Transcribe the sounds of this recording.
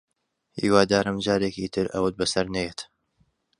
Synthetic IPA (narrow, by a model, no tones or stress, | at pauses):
ʔḭːwaːd̪aːɾɐmd͡ʒaːɾeːkiːt̪ʰɨɾʔɐ̰wət̪̚bɐsɐɾnɐjeːt̪